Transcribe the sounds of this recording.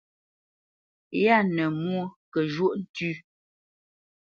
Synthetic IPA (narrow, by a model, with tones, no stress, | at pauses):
ja˦˨nə˨mu˦kə˨ʒu˦ʔn̩˦tʉ˦